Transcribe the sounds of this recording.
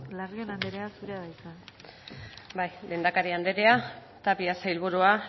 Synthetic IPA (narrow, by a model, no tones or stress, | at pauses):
laɾɣenand̪eɾeasuɾeaðajt̪a | bajlʔe̞ːnd̪akaɾiand̪eɾea | t̪apiasajlβuɾua